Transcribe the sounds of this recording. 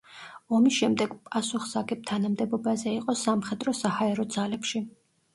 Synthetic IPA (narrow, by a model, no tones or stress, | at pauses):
ɔmisʃɛmd̪ɛɡ̥pʼasuχsaɡʼɛp̚t̪ʰanamd̪ɛbɔbazɛiqʼɔsamχɛd̪ɾɔsahaɛɾɔd̪zalɛpʃi